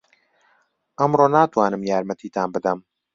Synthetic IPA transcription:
ʔɐmroːnaːt̪waːnɨmjaːɾmɛt̪ʰiːt̪ʰaːnbɨd̪ɐm

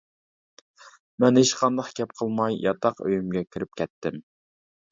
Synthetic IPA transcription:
mɛnheʃqʰɑnd̪ɑχkʲɛp̚qʰəlˠmɑjjʔɑ̰t̪ʰɑqø̰jymɡʲɛkʲʰiɾɪp̚kʲʰɛt̪ːɪm

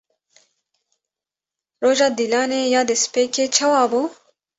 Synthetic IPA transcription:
ɾoːʒaːd̪ilaːneːjaːd̪espeːkeːt͡ʃʰɐwaːbu

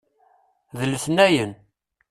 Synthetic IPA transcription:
ðəlːsnæjən

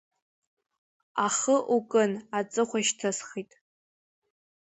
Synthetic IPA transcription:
aχəʔukʼɨnat͡sʼɨχʷaʃtʰasχitʼ

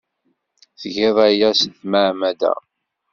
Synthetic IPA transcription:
θʝɪðˤæjæsθmaʕmæd̪æ̰

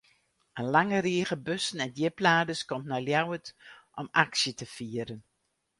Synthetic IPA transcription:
ənlaŋəɾiəɣəbøsənɛndjɪplaːdəskɔmnajljawətʔɔmaksjətəfiəɾən

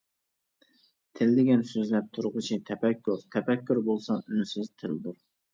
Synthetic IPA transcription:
t̪ʰɪld̪ɪɡʲɛnsøzlɛp̚t̪ʰuɾʁʊt͡ʃʰit̪ʰɛpɛkʲʰːuɾt̪ʰɛpɛkʲʰːuɾbolˠsɑynsɪzt̪ʰɪld̪uɾ

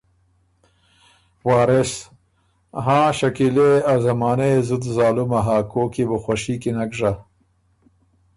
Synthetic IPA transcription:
wɑːɾes | ɦãːʃɐkileazɐmɑːneezud̪zɑːlumaɦaːkoːkibuxwaʃikinaɡʐa

